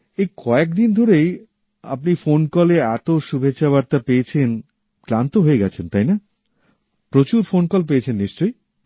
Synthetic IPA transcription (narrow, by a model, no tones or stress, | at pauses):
ejkʰɔek̚d̪ind̪ʱoɾej | a̰pnifonkɔleɛt̪oʃubʱeːɕaβaɾt̪apeet͡ɕʰen | klant̪oɦoeɡɛt͡ɕʰent̪ajna | pɾot͡ɕuɾfonkɔlp̬eet͡ɕʰenːiʃt͡ɕoj